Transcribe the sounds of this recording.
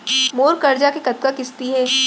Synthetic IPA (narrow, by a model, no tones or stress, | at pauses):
moːɾkɐɾd͡ʒakekɐt̪̚kakɪst̪iɦɛː